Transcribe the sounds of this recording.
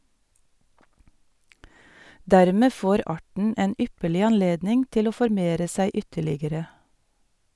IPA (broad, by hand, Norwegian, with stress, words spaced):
ˈdæːɾmeː ˈfoːɾ ˈɑːʈɳ̩ ˈeːn ˈʏpəɭɪ ɑnˈleːdnɪŋ ˈtɪl ˈoː fɔɾˈmeːɾə ˈsæɪ ˈʏtəɭɪɡəɾə